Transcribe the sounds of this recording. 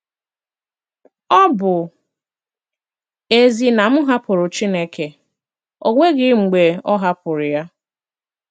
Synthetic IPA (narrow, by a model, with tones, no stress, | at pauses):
ɔ˦bʊ˨ | e˨zi˨na˨m̩˦ɦa˦pʊ˨ɾʊ˨t͡ʃi˦ne˦kʰe˨ | o˦ŋʷe˦ɡɪ˦ŋ͡m̩˨ɡ͡be˨ɔ˦ɦa˦pʊ˨ɾʊ˨ja˦